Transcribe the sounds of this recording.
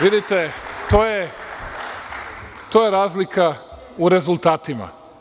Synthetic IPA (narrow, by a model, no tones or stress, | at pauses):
ʋid̪it̪et̪oːje | t̪ojeɾaːzlikʰa | uɾe̞zulˠt̪aːt̪ima̰